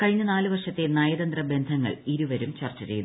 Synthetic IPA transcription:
kɐɻiɲːɐnaːlɨʋɐrʂɐt̪ːenɐjɐd̪ɐnd̪rɐbe̞nd̪ʱɐŋːɐ̰ɭiɾuʋɐɾumt͡ɕɐrt͡ɕːɐɾḛjun

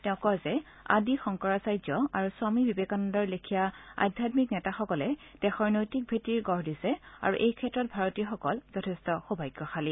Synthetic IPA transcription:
tɛʊ̃kɔzɛ | a̰dixɔŋkɔɹasajzɔaɹuswamibibekanɔndɔɹlekʰijaa̰jdʱatmiknɛtaxɔkɔlɛd̥ɛxɔɹnojtik̚bʱetiɹɡɔɹdisɛa̰ɹuʔejkʰɛtɹɔt̚bʱaɹɔtijɔxɔkɔlz̥ɔtʰɛstɔxubʱajɡːɔxali

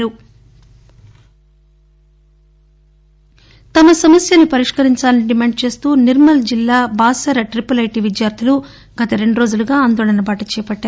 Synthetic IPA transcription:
ɾu | t̪ɐmɐsɐmɐsjɐnipɐɾiʂkɐɾiɲt͡ʃaːlɐniɖimeːɳɖ̚t͡ʃe̞ːst̪uːniɾmɐld͡ʒilːaːbaːsɐɾɐʈɾipɐlɐjʈiʋid̪jaːɾd̪ʰʱilu | ɡ̥ɐt̪ɐɾe̞ɳɖuɾo̞ːd͡ʒuluɡaːaːnd̪ɔːɭɐnɐbaːʈut͡ʃɛːɐpɐʈːaː

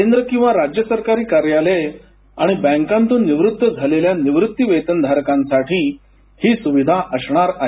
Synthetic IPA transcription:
kend̪ɾəkĩw̃ʋaɾad͡ʑjəsəɾkaɾiːkaɾjale | a̰ɽ̃ibɛ̃ŋkãnt̪uːnːiʋɾut̪ːəd͡zʱaleljaniʋɾut̪ːiʋet̪ənd̪ʱaɾkãnsaʈʰiː | hiːsuʋid̪ʱaʔəsɳ̃aɾaɦe

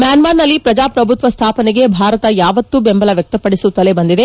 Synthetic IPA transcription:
mjaːnmaːɾnɐlːipɾɐd͡ʒaːpɾɐbʱut̪ʋɐst̪ʰaːpɐneɡe̞bʱaːɾɐt̪ɐjaːʋɐt̪ːubembɐlɐʋjɐk̚t̪ɐpːɐɽisut̪ːɐlebɐnd̪id̪e̞

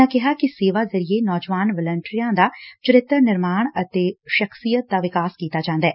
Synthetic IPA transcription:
ãkɛɦakiseːʋazɐɾienɔːd͡ʒʋaːnʋələ̃ɳʈɾijãd̪at͡ʃəɾɪt̪ɾənɪɾmaːɽ̃ɐt̪eʃɐxsijət̪̚d̪aʋɪkaːskiːt̪ad͡ʒãːnd̪aɛː

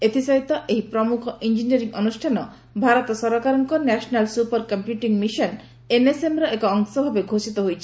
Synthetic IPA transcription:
et̪isajt̪ɔʔeɦipɾɔmukʰɔʔind͡ʒiniɔɾiŋɔnusʈʰanɔ | bʱaɾɔt̪ɔsɔɾɔkaɾɔŋkɔnɛsɔnalsupaɾkɔmpjuʈiŋmiʃɔn | enesemɾɔʔekɔɔŋsɔbʱabeɡʱosit̪ɔɦojt͡ʃʰi

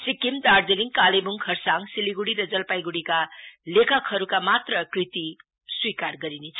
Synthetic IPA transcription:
sikimd̪ard͡zeliŋkalebuŋkʰʌrsaŋsiliɡuɽiɾʌd͡zʌlpajɡuɽikalekʰʌkʰhʌɾukamat̪rʌkrit̪i | swikarɡʌɾinet͡sʰ

